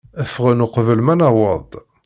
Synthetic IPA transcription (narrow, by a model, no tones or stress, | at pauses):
əfəʁənuqvəlmænæwəðˤ